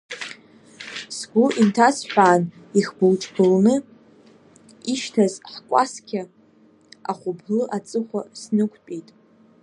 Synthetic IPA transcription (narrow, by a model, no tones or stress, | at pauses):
sɡʷʊʔintʰasħᶣʷaːn | iχbɨlʈ͡ʂʰʼbɨlnɨ | iʃtʰazħkʷʼa̰skʲʰɪ | aχʷʊblɨʔat͡sʼɨχʷa̰snɨkʷʰt͡pʼitʼ